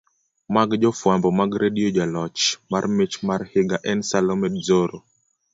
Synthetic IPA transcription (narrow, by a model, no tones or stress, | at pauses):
maɡd͡ʒɔfwambɔmaɡɾediɔd͡ʒalɔt͡ʃmarmet͡ʃmarhɪɡaʔɛnsalɔmɛdzoɾo